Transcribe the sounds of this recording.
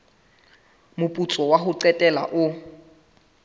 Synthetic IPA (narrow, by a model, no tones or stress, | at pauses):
mʊpʼut͡sʼɔwaɦʊǀɛtʼɛla̰ʔʊ